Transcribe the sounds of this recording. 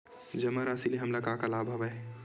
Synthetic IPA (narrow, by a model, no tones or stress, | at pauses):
d͡ʒɐmaɾaːsiliɦɐmlɐkaːkɐlaːbʱɐʋɐ